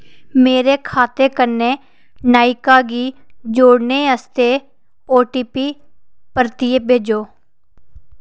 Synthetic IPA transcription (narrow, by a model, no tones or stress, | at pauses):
meːɾeːkʰaːt̪eːkəneː | naːikaːɡiːd͡ʒoːɽneːəst̪eː | oːʈiːpiːpəɾt̪ieːbʱeːd͡ʒoː